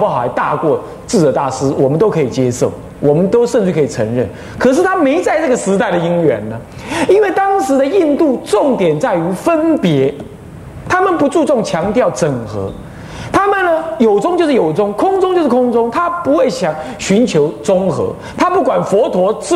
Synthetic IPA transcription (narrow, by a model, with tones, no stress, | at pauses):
xa˧˦ɪt̪a̰˥˧kwɔ˥˧ | t͡sɹ̩˥˩t͡sɤ˨˩t̪a˥˩sɹ̩˥wɔ˨˩mə˦nt̪o˥ʊkʰɤ˧˥i˨˩t͡ɕjɛ˥ʂo˥˩ʊ | wʔɔ˨˩mə˦nt̪o˥ʊʂə˥˧nʈ͡ʂɻ̩˥˩kʰɤ˧˥i˨˩t͡sʰɤ̰˧˥ŋɻə˥˩n | kʰɤ˨˩ʂ̬ɻ̩˥˩t̪ʰa˥me˧˥ɪt͡sa˥˧ɪt͡sɤ˥˩ɡə˩ʂɻ̩˧˥t̪a˥˩ɪd̪ə˩i˥ŋɥɛ˧˥nːə˦ | i˥nwe˥˩ɪt̪ɑ˥ŋʂɻ̩˧˥d̪ə˧i˥˧nt̪u˥˧ʈ͡ʂʊ˥˩ŋt̪jɛ˨˩nt͡sa˥˩ɪy˧˥fə˦˥npjɛ˧˥ | t̪ʰa˥mə˨npu˧˥t͡su˥˧t͡sʊ˥˩ŋt͡ɕʰjɑ˧˥ŋt̪jɑ˥˩ʊt͡sə˨˩ŋxɤ̰˧˥ | t̪ʰa˥mə˨nːə˧jo˨˩ʊt͡sʊ˥ŋt͡ɕjo˥˧ʊʂɻ̩˥˩jo˨˩ʊt͡sʊ˥ŋkʰʊ˥ŋt͡sʊ˥ŋt͡ɕo˥˧ʊʂɻ̩˥˩kʰʊ˥ŋt͡sʊ˥ŋt̪ʰa˥pu˧˥xwe˥˩ɪɕjɑ˨˩ŋ | ɕy˧˥nt͡ɕʰjo˧˥ʊt͡sʊ˥ŋxɤ̰˧˥˦ | t̪ʰa˥pu˥˩kwa˨˩nfɔ˧˥t̪ʰwɔ˧˥ʈ͡ʂ